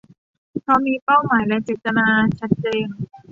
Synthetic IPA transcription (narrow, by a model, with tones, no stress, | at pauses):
pʰɔ˧˥miː˧pa˥˩wmaː˩˦jlɛ˦˥t͡ɕeː˨˩t̪ːa˧naː˧t͡ɕʰa˦˥t̪̚t͡ɕeː˧n